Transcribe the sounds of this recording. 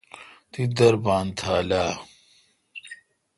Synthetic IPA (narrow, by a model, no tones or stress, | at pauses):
t̪id̪ɐɾbaːnt̪ʰaːlaː